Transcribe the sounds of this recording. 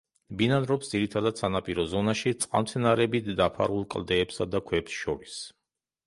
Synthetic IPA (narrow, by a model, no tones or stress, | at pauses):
binanɾɔpsd̪ziɾit̪ʰad̪ad̪̥sanapʼiɾɔzɔnaʃit̪sʼqʼa̰nmt̪sʰɛnaɾɛbit̪d̪apʰa̰ɾulˠkʼlˠd̪ɛːpsad̪akʰwɛpsʃɔɾis